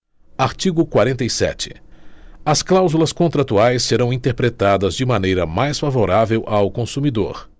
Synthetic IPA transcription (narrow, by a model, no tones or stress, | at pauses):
aɾt͡ʃiɡʊkwaɾẽnt̪ejsɛ̰t͡ʃɪ̥ | ɐsklawzulɐskõnt̪ɾat̪uajsːeɾɐ̃w̃ĩnt̪eɾpɾet̪ad̪ɐzd͡ʒɪmɐ̃nejɾɐmajsfavoɾavewʔawkõsumid̪o̰ɾ